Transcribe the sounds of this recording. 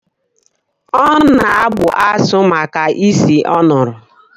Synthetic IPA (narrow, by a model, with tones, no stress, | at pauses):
ɔ˦na˨a˦bʊ˨ʔa˦sʊ˦ma˨ka˨ʔi˦si˨ʔɔ˦nʊ˨ɾʊ˨